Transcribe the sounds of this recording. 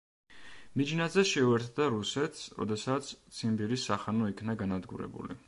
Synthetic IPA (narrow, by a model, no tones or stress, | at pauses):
mid͡ʒnad̪zɛʃɛuɛɾt̪ʰd̪aɾusɛt̪ʰsɾɔ̰d̪ɛsat̪sʰt̪sʰimbiɾisːaχanɔikʰnaɡanad̪ɡṵɾɛ̰bṵlḭ